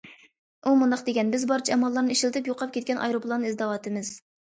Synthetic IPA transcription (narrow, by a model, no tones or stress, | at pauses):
umund̪ɑqd̪eɡʲɛnbɪzbɑɾt͡ʃʰiɛmɑlˠːɑɾnɨiʃilt̪ʰɪpjoqʰɑp̚kʲʰet̪kʲɛnʔɑ̰jɾuplˠɑnɨŋizd̪ɑwɑːt̪ʰɨmɪz̥